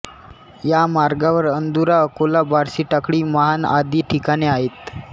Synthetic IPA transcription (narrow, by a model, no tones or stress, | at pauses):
jamaɾɡaʋəɾənd̪uɾaəkolabaɾsiːʈəkɽiːməɦanad̪iːʈʰikaɽ̃iaɦet̪